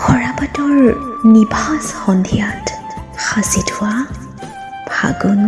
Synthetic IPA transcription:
xɔɹapatɔɹnibʱasxɔndʱijatxasitʰʊwa | bʱa̰ɡɔn

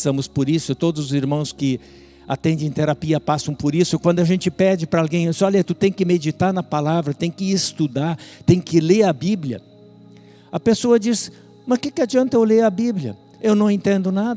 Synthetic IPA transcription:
sɐ̃mʊspʊɾisʊt̪od̪ʊzʊziɾmɐ̃w̃skɪ | at̪ẽnd̪ẽj̃t̪eɾapiɐpasɐ̃w̃pʊɾisʊkwɐ̃nd̪ʊɐʒẽnt͡ʃɪpɛd͡ʒɪpɾɐalɡẽj̃esɔlɐt̪ut̪ẽj̃kɪmed͡ʒit̪aɾnɐpalavɾɐt̪ẽj̃kɪɪst̪ud̪aɾt̪ẽj̃kɪleɾɐbiblʲjɐ̰ | ɐpesoɐd͡ʒis | mɐskɪkɪad͡ʒiɐ̃nt̪ɐewleɐbiblʲjɐ̰ | ewnɐ̃w̃ẽnt̪ẽnd̪ʊnad̪

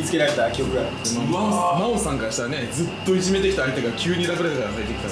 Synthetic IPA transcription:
it͡sɨ̥ke̞ɾaɾe̞t̪akʲio̞kɯ̟ɡa | mamaamaosãŋkaɾaɕi̥t̪ane̞d͡zɨt̪ːo̞id͡ʑime̞t̪ekʲi̥t̪aːijt̪eɡakʲɨːɲ̟iɾakɯɾet̪akaɾasait̪ekʲit̪a

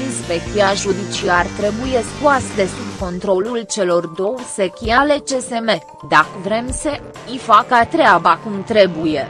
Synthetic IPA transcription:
inspek̚t̪iaʒud̪it͡ʃiart̪ɾe̞buje̞skuasd̪e̞subko̞nt̪ɾo̞lult͡ʃe̞lo̞rd̪o̞wsekʲiale̞t͡ʃe̞se̞me̞ | d̪akəvɾe̞msə | ifakat̪ɾeabakumt̪ɾe̞buje

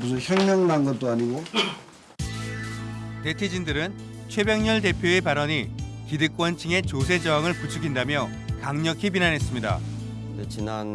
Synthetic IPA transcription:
pusʰʌçjʌŋɲʌŋnanɡʌt̚t͈oaɲiɡo | te̞tʰid͡ʑindɯɾɯn | t͡ɕʰwe̞bjeŋɲʌɭt̬e̞pʰjoe̞paɾʌɲikidɯk͈wʌnt͡ɕʰiŋe̞t͡ɕosʰe̞d͡ʑʌaŋɯɭput͡ɕʰukʰindamjʌ | kaŋɲʌkʰipinanɦe̞s͈ɯmɲida̰ | t͡ɕinan

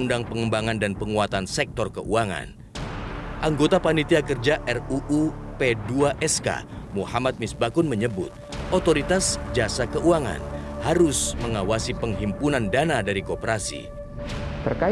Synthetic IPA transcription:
undaŋpəŋəmbaŋandanpəŋuat̪ansɛk̚t̪ɔrkəʔuaŋa̰n | ʔaŋɡot̪apanit̪iakərd͡ʒaʔɛruʔupeduaʔɛska̰muhamat̪̚mɪsbakʊnməɲəbʊ̰t̪̚ | ot̪oɾit̪asd͡ʒasakəʔuaŋa̰nhaɾʊsməŋawasipəŋɦimpunandanadaɾikopəɾasḭ | t̪ərka

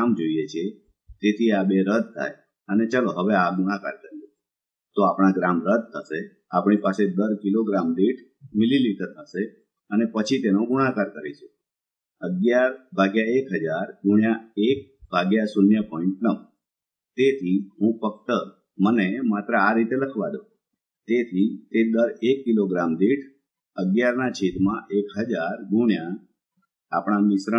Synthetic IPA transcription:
amd͡ʒoijet͡ʃʰie | t̪et̪ʰiabeɾəd̪̚ʱt̪ʰa̰j | ənet͡ʃaloɦəʋeaɡuɽ̃aka̰ɾkəɾie | t̪oapɽ̃aɡɾamɾəd̪̚ʱt̪ʰəʃe | apɳ̃ipased̪əɾkiloɡɾamɖiʈ | mililiʈəɾt̪ʰəʃe | ənepət͡ʃʰit̪enoɡuɽ̃akaɾkəɾet͡ʃʰe | əɡjaɾbʱaɡjaekɦəd͡ʒaɾɡuɳ̃jaek̚bʱaɡjasunjəpɔiɳʈnə | t̪et̪ʰiɦũfək̚t̪ə | mənemat̪ɾəaɾit̪eləkʰʋad̪o | t̪et̪ʰit̪ed̪əɾekːiloɡɾamd̪eʈʰ | əɡjaɾnat͡ʃʰet̪mãʔekɦəd͡ʒaɾɡuɳ̃jã | a̰pɳ̃ãmɪsɾə

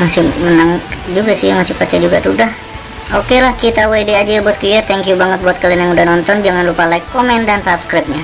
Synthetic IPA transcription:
masɪhmənaŋd͡ʒuɡasijmasɪhpat͡ʃad͡ʒuɡat̪udah | okelahkit̪awedead͡ʒabɔskijat̪ɛŋkjubaŋət̪̚buat̪̚kalianjaŋudahnɔnt̪ɔnd͡ʒaŋanɾupalaikːomɛndansapskɾap̚ɲa

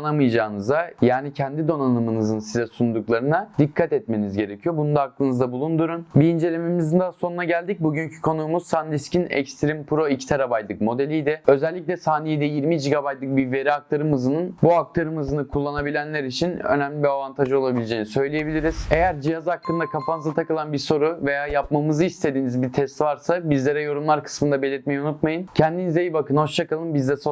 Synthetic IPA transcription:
anamɯjd͡ʒaːnɯzd̪ajaːnicʰɛnd̪id̪o̞nanɯmɯnɯzɯnsizɛsund̪uklˠaɾɯnad̪̥ikʰːat̪ɛt̪me̞nizɟe̞ɾecʰijo̞bunund̪aaklˠɯnɯzd̪abulˠund̪uɾunbiind͡ʒe̞lʲememizind̪aaso̞nunaɟælʲd̪ic̚buɟyɲcʰy̥kʰo̞nuːmuzsanlʲiscʰinɛ̰cst̪ʰɾimpʰɾo̞icʰi̥t̪ʰaɾabajlˠɯkmo̞d̪e̞lʲijd̪ɪø̞zɛlʲːic̬lʲɛsaːnejed̪ɛjiɾmid͡ʒiɡabat̪lˠɯk̚bive̞ɾiak̚t̪ʰaɾɯmɯzɯnɯnbuak̚t̪ʰaɾɯmɯzɯnɯkʰulˠːanabilʲænlʲæɾit͡ʃʰinø̰næmlʲibiavant̪ʰaʒɯo̞lˠabilʲed͡ʒe̞jinisø̞jlʲije̞bilʲiɾiz̥e̞jæɾd͡ʒijazak̚t̪ʰˠɯnd̪akʰafanɯzat̪ʰakɯlˠanbiɾso̞ɾuve̞jaːjapmamɯzɯist̪ʰe̞d̪iːnizbiɾt̪ʰɛst̪vaɾsabizlʲeɾɛjo̞ɾumlˠaɾkʰɯ̥smɯnd̪abe̞lʲiɾt̪me̞jiunut̪majɯncʰɛnd̪inizejibakɯnho̞ʃt͡ʃakalˠɯnbizd̪ɛso

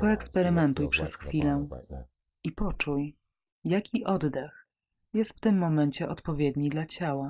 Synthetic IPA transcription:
pɔɛkspɛɾɘmɛnt̪ujpʂɛsxfʲilɛ | ipɔt͡ʂuj | jakʲiʔɔd̪d̪ɛx | jɛst̪ft̪ɘmːɔmɛɲt͡ɕɛʔɔt̪pɔvʲjɛd̪ɲid̪lat͡ɕawa

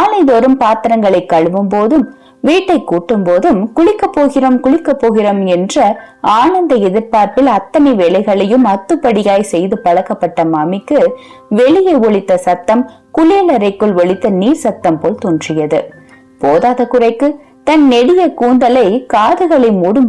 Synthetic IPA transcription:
aːnɐɪðoɾɯmpaːt̪ɾɐŋɡɐɭɐɪkːɐɻɯʋɯmpoːðɯm | ʋiːʈːɐɪkːuːʈːɯmpoːðɯmkʊɭɪkːɐpːoːɣɪrɐmkʊɭɪkːɐpːoːɣɪrɐmɛndrɐ | aːnɐnd̪ɐɛðɯɾpaːɾpɪlɐt̪ːɐnɐɪʋeːɭɐɪɣɐɭɐjɯmɐt̪ːɯpːɐɽɪjaːjsɛjðɯpɐɻɐkːɐpːɐʈːɐmɐmɪkːɯ | ʋɛɭɪjɐɪɔɭɪt̪ːɐsɐt̪ːɐm | kʊɭɪjɐlɐɾɐɪkːɯɭʋɔɭɪt̪ːɐniːɾsɐt̪ːɐmpoːlt̪oːndrɪjɐðɯ̰ | poːðaːðɐkːɯrɐɪkːɯ | t̪ɐnːɛɽɪjɐkuːnd̪ɐlɐɪkaːðɯɣɐɭɪmuːɽɯm

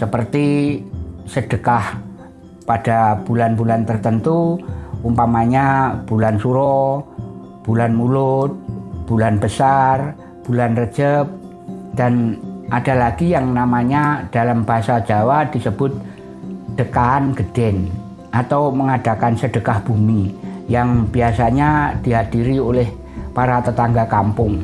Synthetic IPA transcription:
səpərt̪i | səd̥əkah | pad̥ab̥ulanbulant̪ərt̪ənt̪uumpamaɲab̥ulansuɾɔ | b̥ulanmulʊt̪̚b̥ulanbəsar | b̥ulanrə̥d͡ʒ̥əp̚ | d̥anʔada̤laɡijaŋnamaɲad̥alambaɦsad͡ʒawad̥isəb̥ʊt̪̚ | d̥əkaːnɡ̥əd̥ɛn | ʔat̪awməŋad̥a̤kansəd̥əkahb̥umijaŋbiasaɲad̥iɦadiɾiolɪh | paɾat̪ət̪aŋɡakampʊŋ

